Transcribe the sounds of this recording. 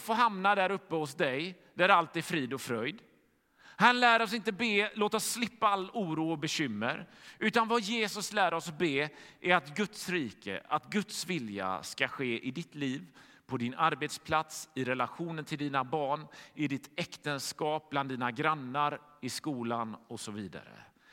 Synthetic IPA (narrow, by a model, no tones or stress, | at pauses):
foːɦamnad̪æɾɵpːəhʊsd̪ɛj | d̪æɾalt̪ːfɾiːd̪ɔfɾœjd̪ | hanlæːɾɔsɪnt̪əbeːloːt̪ɔsːlɪpːaalːuːɾuːɔbɛɕʏmːə̰ɾʉ̟ːt̪anvajeːsɵslæːɾɔsbeːʔæɾat̪ɡɵt̪sɾiːkə̰ʔat̪ɡɵt̪svɪlja̰skaɧeːʔɪd̪ɪt̪liːv | pʰɔd̪ɪnaɾbeːt̪spʰlat̪sɪɾɛlaɧuːnənt̪ʰɪld̪iːnabɑːɳɪd̪ɪt̪ɛkt̪ənskɑːp̚bland̪ːiːnaɡɾanːaɾɪskuːlanɔsɔviːd̪a̰ɾə̰